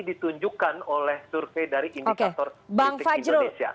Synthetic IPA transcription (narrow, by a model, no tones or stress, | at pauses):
dit̪uɲd͡ʒukanolɛhsurfejdaɾiʔindiokeat̪ɔrbaŋfand͡ʒɾuesia̰